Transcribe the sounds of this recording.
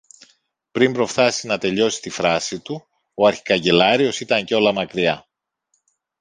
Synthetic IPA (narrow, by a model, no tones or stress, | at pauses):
pɾimbɾo̞fθɐsinɐt̪e̞ʎo̞si̥t̪ifɾɐsit̪u | o̞ɐɾçi̥kɐɲɟe̞lɐɾio̞sit̪ɐɲceo̞lɐmɐkɾiɐ